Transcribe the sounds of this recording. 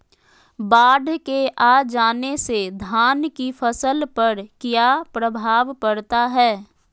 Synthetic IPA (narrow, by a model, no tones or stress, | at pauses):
baːɖʱkeʔaːd͡ʒaːnesed̪ʱaːnkifʰəsəlpəɾkjaːpɾəbʱaːʋpəɽt̪aɦɛː